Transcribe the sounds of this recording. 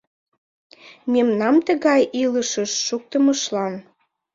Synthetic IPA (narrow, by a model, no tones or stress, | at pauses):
memnɑmt̪əɣɑjiləʃəʃːuk̚t̪əməʃlɑn